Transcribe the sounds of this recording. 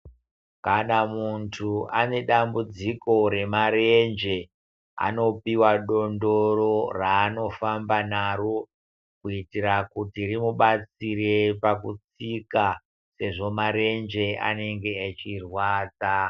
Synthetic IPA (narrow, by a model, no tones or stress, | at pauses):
kanamuntʰuane̞ɗambud͡ziko̞ɾe̞maɾe̞nd͡ʒe̞ | a̰no̞piwaɗo̞ndo̞ro̞raːno̞fambanaro̞ | kuitirakutirimuɓat͡sirepakut͡sika | se̞ʐo̞maɾe̞nd͡ʒe̞a̰ne̞ŋɡe̞at͡ʃirwaːt͡sa